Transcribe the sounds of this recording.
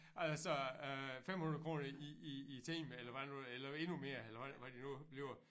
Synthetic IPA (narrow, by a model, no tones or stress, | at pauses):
ælsɒøfem̰hunɐkʁo̝ːnɐiiːt͡sʰḭmelɐʋæ̥nuelɐe̝nume̝ːɐelɐʋæʋæd̥inub̥liʊ